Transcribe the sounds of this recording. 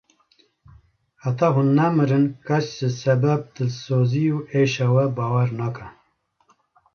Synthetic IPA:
hæt̪ʰɑːɦunːæmɨɾɨnkʰat͡ʃzɨsɛbæb̚d̪ɨsoːziuːeʃɑwɛbɑːwɛɾnɑːkʰa

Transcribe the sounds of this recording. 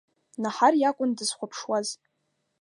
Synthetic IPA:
naħarjakʷʼʊndɨz̥χʷapʰʂwaz

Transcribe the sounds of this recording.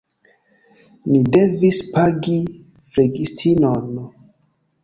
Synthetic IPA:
nide̞vispaɡi | fɾeɡistʰinon

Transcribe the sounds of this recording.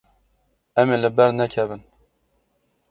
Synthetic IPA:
ɛmelɨbɛɾnɛkʰɛvɨn

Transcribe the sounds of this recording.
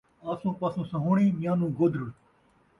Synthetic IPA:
aːsũːpasũːsə̃ɦoːɳĩːmjãːnũːɡod̪ɾəɽ

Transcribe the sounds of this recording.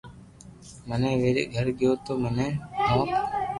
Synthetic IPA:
mənẽːʋeːɾḛʔɡʱəɾɡɪjoːt̪oːmənẽːɦãːk

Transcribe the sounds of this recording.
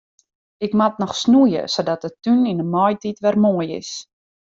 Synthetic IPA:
ɪkmatnɔxsnujə̰sodɔt̚dətyninəmɔjtitʋɛrmoəjɪ̰s

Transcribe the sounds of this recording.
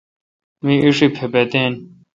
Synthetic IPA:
mĩʔiʂipʰepet̪eːn

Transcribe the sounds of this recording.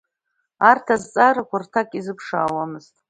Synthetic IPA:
artʰazt͡sʼaɾakʷartʰakʼizɨpʰʂa̰ːwamɨztʼ

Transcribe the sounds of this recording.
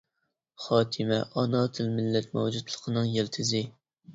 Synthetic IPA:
χɑːt̪ʰɨmɛʔɑnɑːt̪ʰɪlmɪlːɛt̪mɛwd͡ʒud̪lˠə̥qʰənɨŋjelt̪ʰɪzɪ

